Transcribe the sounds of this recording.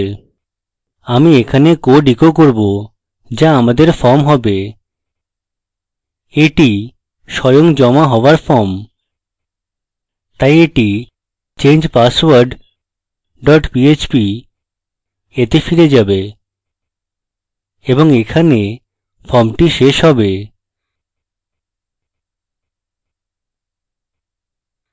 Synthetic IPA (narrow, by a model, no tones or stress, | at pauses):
amiekʰanekoɖikokoɾbo | d͡ʑaamad̪eɾfɔɾmɦɔbe | eʈi | ʃɔjoŋd͡ʑɔmaɦɔoaɾfɔɾm | t̪ajeʈi | t͡ɕend͡ʑpaswaɾɖ | ɖɔʈpiet͡ɕpi | et̪efiɾed͡ʑabe | eboŋekʰane | fɔɾmʈiʃeʃɦɔbe